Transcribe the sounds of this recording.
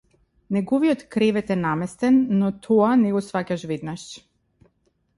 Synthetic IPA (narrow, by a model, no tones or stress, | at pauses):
nɛɡɔviɔt̪kɾɛvɛt̪ɛnamɛst̪ɛnːɔt̪ʰɔanɛɡɔsvacaʃvɛd̪naʃ